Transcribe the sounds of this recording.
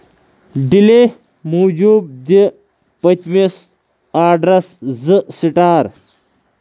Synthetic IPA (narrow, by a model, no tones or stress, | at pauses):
ɖile | muːd͡ʑuːb̚d̪i | pɐt̪ʲmis | aːɖɾɐszɨsiʈaːɾ